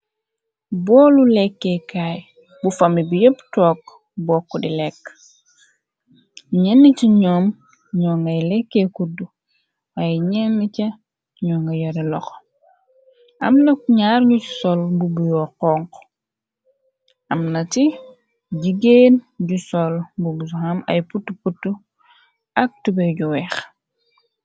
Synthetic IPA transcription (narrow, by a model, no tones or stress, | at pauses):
bɔːlulɛkːekaːj | bufɐmibijəptɔːk | bɔːkːɔdilɛkː | ɲɛnːiciɲɔːm | ɲɔːŋɡɐjlɛkːekudu | waːjɛɲɛnːicɐ | ɲɔːŋɡɐjɐɾilɔx | ʔɐ̰mnɐɲaːɾɲuci̥sɔlbubujɔqɔŋk | ʔɐmnɐti | ɟiɡenɟusɔlbuɡus̬uhɐmɐ̰jputːuputːu | ʔɐk̚tubɛɟuwɛx